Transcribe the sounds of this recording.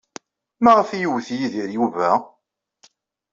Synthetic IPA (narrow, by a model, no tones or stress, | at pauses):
maʁəfijuwθjiðiɾjuvæ